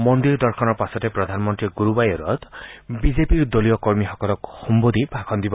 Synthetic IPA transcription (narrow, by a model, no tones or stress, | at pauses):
mɔnd̪iɾd̪ɔɾkʰɔnɔpasɔt̪epɾɔd̪ʱanɔmɔnt̪ɾiɡuɾubajɔɾɔt̪bid͡ʒepiɾd̪ɔlijɔkɔɾmiɦɔkɔlɔkhumbod̪ibʱakʰɔnd̪ibɔ